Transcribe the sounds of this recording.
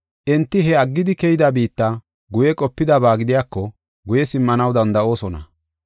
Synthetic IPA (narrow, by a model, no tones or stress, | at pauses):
ʔɛnt̪ːɪɦɛɐɡːɪd̪ɪkɛjɪd̪abiːt̪ːɐ | ɡʊjɛkʼɔpːɪd̪ɐbaːɡɪd̪ɪjaːkːɔ | ɡʊjɛsɪmːɐnɐwd̪ɐnd̪ɐʔo̞ːsɔnɐ̰